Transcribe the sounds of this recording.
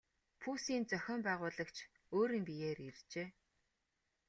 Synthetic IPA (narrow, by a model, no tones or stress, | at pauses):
pʰuːsiːnt͡sœxʲɔːmpæːʁʊːɮə̆kt͡ɕʰ | oːɾiːmpijeːɾirt͡ɕeː